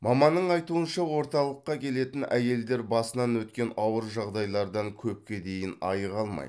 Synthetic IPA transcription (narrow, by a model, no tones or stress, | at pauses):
mɑmɑnːəɴɑjt̪uənʃɑwo̞ɾt̪ɑlˠəqːɑkʲʰe̞le̞t̪ɪnæje̞ld̪e̞ɾbɑsənɑnwɵt̪kʲe̞nɑwəɾʒɑʁd̪ɑjlˠɑɾd̪ɑŋkʲʰɵp̚kʲe̞d̪e̞jɪnɑ̰jəʁɑlˠmɑ̰j